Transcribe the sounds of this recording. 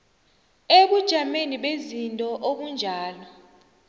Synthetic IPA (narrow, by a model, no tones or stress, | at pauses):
eɓud̥ʒ̥ʱameniɓezintʼɔʔoɓund͡ʒʱaːlɔ